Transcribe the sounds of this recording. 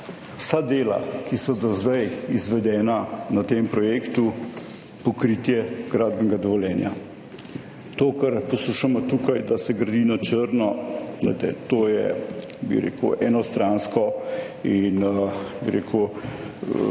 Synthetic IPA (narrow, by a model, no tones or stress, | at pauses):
wsad̪eːla̰kisɔd̪ɔzd̪ajizʋɛd̪ɛːnanat̪empɾɔjekt̪u | pɔkɾit̪jɛɡɾaːd̪bnɛɡad̪ɔʋɔljɛːnja̰ | t̪oːkɐɾpɔsluːʃamɔt̪ukajd̪asɛɡɾɐd̪iːnat͡ʃəɾnɔnɛ̰ɪt̪ɛt̪oːjɛ̰bḭɾḛːkṵɛ̰nɔst̪ɾanskɔ | inbḭɾḛːku